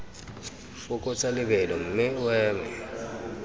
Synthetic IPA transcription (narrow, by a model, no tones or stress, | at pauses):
fʊkʼɔt͡sʼalɪbɛlɔm̩mɪwɛːmɛ